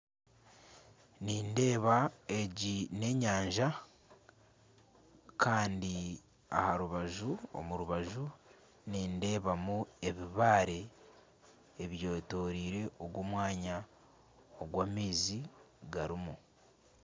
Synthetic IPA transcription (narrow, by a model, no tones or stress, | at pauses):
niːnde̞ːβae̞ɟine̞ːɲaːɲʒa | kʰaːndi | a̰haɾuβaʒuo̰muɾuβaʒu | niːnde̞ːβamue̞βiβaːɾe̞ | βjoːto̞ɾiːɾe̞ʔoɡwoːmwaːɲa | oɡwaːmiːzi | ɡaɾimu